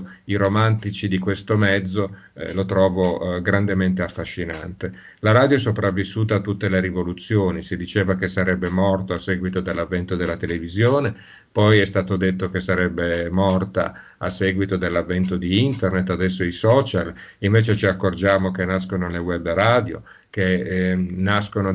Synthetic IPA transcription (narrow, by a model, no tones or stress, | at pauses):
iɾomant̪it͡ʃid̪ikwest̪omɛd̪zːo | lot̪ɾɔːvoɡɾand̪ement̪eafːaʃːina̰nt̪e | laɾaːd̪jos̬opɾavːisːuːt̪aːt̪ːut̪ːeleɾivolut̪sːjoːnisid̪it͡ʃeːvakesaɾɛbːemɔrt̪oasːɛːɡwit̪od̪elːavːɛnt̪od̪elːat̪elevizjoːne | pɔjɛst̪aːt̪od̪et̪ːokesaɾɛbːemɔrt̪a̰ | asːɛːɡwit̪od̪elːavːɛnt̪̬od̪iint̪ernet̪ːad̪ɛsːoisɔːt͡ʃal | iɱveːt͡ʃet͡ʃiakːord͡ʒaːmokenːaskonolewɛbːraːd̪jo̰ | ke | nːaskono